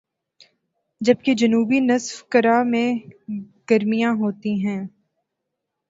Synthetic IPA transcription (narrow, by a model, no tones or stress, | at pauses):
d͡ʒɐb̚ked͡ʒɐnuːbinɐsfkɐɾamẽ | ɡ̥ɐɾmijãɦoːt̪iɦɛ̃ː